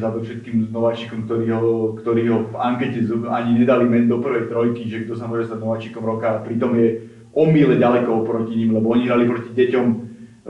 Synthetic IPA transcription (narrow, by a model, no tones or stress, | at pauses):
zad̪ɔfʃɛt̪̚kiːmznɔʋaːt͡ʃiːkɔmk̚t̪ɔɾiːɦɔkt̪ɔɾiːɦɔvaŋkɛcɛzaɲiɲɛd̪alimɛɲd̪ɔpr̩ʋɛjt̪ɾɔjkiʒɛɡd̪ɔsamʊɔʒɛst̪aɟnɔʋaːt͡ʃiːkɔmɾɔkaːpɾit̪ɔmjɛ | ʔɔmilɛɟalɛkɔpɾɔciɲiːmlɛbɔɔɲiɦɾalipɾɔciɟɛcɔm